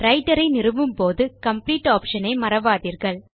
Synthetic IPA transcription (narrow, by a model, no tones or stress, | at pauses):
ɾɐɪʈɐɾɐɪnɪrɯʋɯmpoːðɯkɐmpliːʈːaːpʂɐnɐɪmɐɾɐʋaːðiːɾɣɐɭ